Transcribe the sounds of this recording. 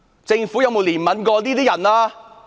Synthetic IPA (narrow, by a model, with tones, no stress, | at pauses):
t͡sɪ˧ŋfuː˨˥jɐ˨˧wmo˨˧wliː˨˩nmɐ˨˥nkɔː˧liː˥t̪iː˦˥jɐ˨˩nlaː˧